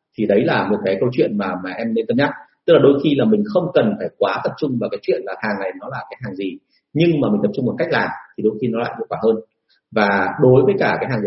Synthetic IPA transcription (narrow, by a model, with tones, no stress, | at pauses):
t̪ʰi˨˩ɗə˨˦jlaː˨˩mo˨˩t̚kaː˨˦jkə˧wt͡ɕwḭ˧˨ənmaː˨˩maː˨˩ʔɛ˧mne˧nt̪ə˧m̚ɲa˦˥t̚t̪ɨ˦˥k̚laː˨˩ɗo˧jxi˧laː˨˩mï˨˩ŋ̟xə˧wŋ͡mkə˨˩nfaː˧˩jkwaː˨˦t̪ə˨˩p̚t͡ɕʊ˧ŋ͡mvaː˨˩kaː˨˦jt͡ɕwḭ˧˨ənlaː˨˩haː˨˩ŋna˨˩jnɔ˨˦laː˨˩kaː˨˦jɦaː˨˩ŋzi˨˩ | ɲɨ˧ŋmaː˨˩mï˨˩ŋ̟t̪ə˨˩p̚t͡ɕʊ˧ŋ͡mmo˨˩t̚ka˦˥jk̚laː˨˩mt̪ʰi˨˩ɗo˧˩jxi˧nɔ˨˦la̰ː˧˨jvṵ˧˥kwaː˧˩həː˧n | vaː˨˩ɗo˨˦jvəː˨˦jkaː˧˩kaː˨˦jɦaː˨˩ŋzi˨